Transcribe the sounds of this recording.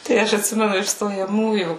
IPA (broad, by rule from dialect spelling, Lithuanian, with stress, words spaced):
tɐɪ ˈɐʃ ɐtʲˈsʲɪmʲɛnʊ ɪʃ stoːjɛˈmuːjuː